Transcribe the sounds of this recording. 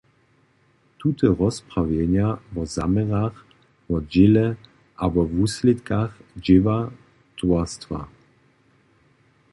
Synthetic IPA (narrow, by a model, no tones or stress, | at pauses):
t̪ut̪ɛɾɔspɾavjɛɲavɔzamɛʁax | vɔd͡ʑɪlɛ | ʔabɔvuslɪt̪kaxd͡ʑɪva | t̪wɔst̪fa̰